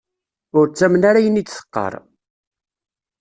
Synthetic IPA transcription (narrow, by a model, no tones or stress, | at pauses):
ʊɾt͡sːæmənaɾajənit͡s̪θə̥qːə̰ɾˤ